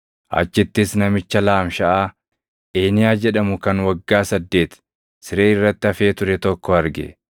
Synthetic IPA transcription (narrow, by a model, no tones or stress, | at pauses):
ʔɐ̰t͡ʃːɪt̪ːɪsnɐmɪt͡ʃːɐlaːmʃɐʔaː | ʔeːnɪjaːd͡ʒɛᶑɐmʊkɐnwɐɡːaːsɐd̪ːe̞ːt̪ | sɪɾeːɪrːɐt̪ːɪɐfe̞ːt̪ʊɾɛt̪ɔkːɔɐɾɡɛ̰